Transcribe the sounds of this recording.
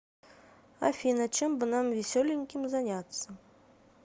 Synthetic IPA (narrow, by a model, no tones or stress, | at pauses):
a̰fʲinɐt͡ʃɛmbɨnamvʲisʲɔlʲɪŋʲkʲimzanʲat̪sːɐ